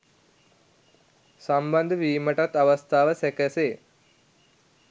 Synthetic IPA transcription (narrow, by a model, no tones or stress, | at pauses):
samband̪əʋiːməʈat̪ːaʋɐst̪ʰaːʋəsɛkəseː